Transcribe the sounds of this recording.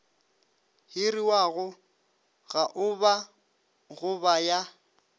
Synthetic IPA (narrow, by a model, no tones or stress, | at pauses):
hɪriwaɣʊ | ɣaʔʊba | ɣʊbaja